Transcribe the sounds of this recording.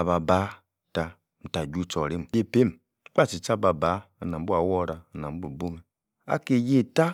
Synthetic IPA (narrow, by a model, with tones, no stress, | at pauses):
a˨ba˨ba˨˦˨ | ta˨ | m̩˨ta˨d͡ʒu˦˨t͡ʃo˨ɾi˦m˨je˦˨pe˦m˨˦ | k͡pa˦˨t͡ʃi˨t͡ʃa˦˨ba˨ba˨˦˨na˨m˦bu˦a˨wo˦˨ɾa˨na˨m˦bu˨bo˦me˨ | a̰˦ke˨je˦ta˦